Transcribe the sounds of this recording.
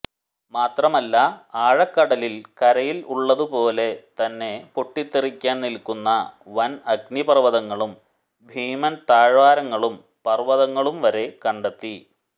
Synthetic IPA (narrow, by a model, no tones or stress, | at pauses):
maːt̪rɐmɐlːɐaːɻɐkːɐɽɐlilkɐɾɐjiluɭːɐðupo̞ːle̞t̪ɐnːe̞poʈːit̪ːirikʲːaːnnilkunːɐʋɐnɐɡnipɐrʋɐðɐŋːɐɭum | bʱiːmɐnt̪aːɻʋaːɾɐŋːɐɭum | pɐrʋɐðɐŋːɐɭumʋɐɾe̞kɐɳɖɐt̪ːi